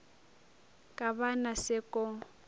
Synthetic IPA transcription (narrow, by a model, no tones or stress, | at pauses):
kʼaβanasɪkʼɔ